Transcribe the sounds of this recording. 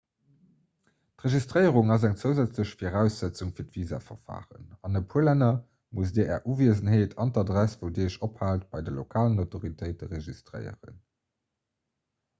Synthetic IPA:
tʁeʒistʁəɪəʁuŋɑzæŋt͡səʊzæt͡sləɕfiʁæʊsz̥æt͡suŋfiːɐtv̥iːza̰ːfɐ̰ʁfa̰ːʁə̰nɑnəpʰuəlænɐ | mus̬deːɐʔɛːɐʔuːviəzənɦeːtʰɑntɑdʁæsvəʊdeːəʃophaːltb̥ɑɪdəlo̰kʰaːlənɑtoʁitʰəɪtəʁeʒistʁɜ̰ɪə̰ʁə̰n

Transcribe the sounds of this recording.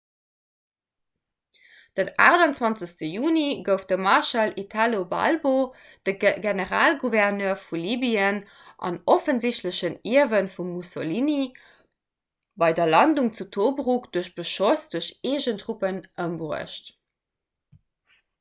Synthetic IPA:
d̥əna̰ːʁdɑnt͡swɑnt͡səstəjuːniɡəʊft̚d̥əmɑʁʃɑlitʰalobɑ̰lbo | d̥əɡenəʁaːlɡuvɛʁnœːfuliːbiən | ʔɑ̰nofənziɕtləɕəniəvənfumːusolini | bɑɪdɐlɑnduŋt͡sutʰoːbʁukd̥uɐɕb̥əʃosd̥uɐɕeːʑəntʁupənʔəmbʁuə̰ɕt

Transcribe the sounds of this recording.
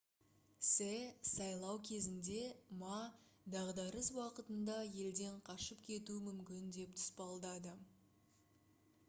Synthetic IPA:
sesɑjlˠɑwkʲʰe̞zɪnd̪e̞mɑ | d̪ɑʁd̪ɑɾəswɑqət̪ənd̪ɑje̞ld̪e̞ɴqʰɑʃəpkʲʰe̞t̪umʏmkʲɪnd̪e̞p̚t̪ʰʊ̥spɑlˠd̪ɑd̪ə

